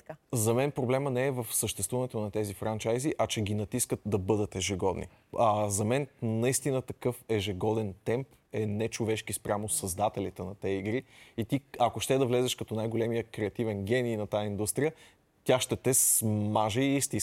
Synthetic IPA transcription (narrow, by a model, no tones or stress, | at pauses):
zɐmɛnpɾoblɛmənɛːvəfsəʃt̪ɛst̪vuvənɛt̪onɐt̪ɛzifɾant͡ʃajziʔɐt͡ʃɛɡinɐt̪iskət̪̚d̪ɐbɤd̪ət̪ɛʒɛɡɔd̪nḭ | azɐmɛnnɐist̪inət̪ɐkɤfɛʒɛɡɔd̪ɛnt̪ɛmp | ɛnɛt͡ʃovɛʃkispɾʲʔamosɐzd̪at̪ɛlit̪ənɐt̪ɛiɡɾiit̪iɐkoʃt̪ɛd̪ɐvlɛzɛʃkɐt̪ɔnajɡolɛmijəkɾɛɐt̪ivɛnɡ̟ʲɛniːnɐt̪aind̪ust̪ɾijə | t̪ʲaʃt̪ɛt̪ɛsmaʒeiist̪i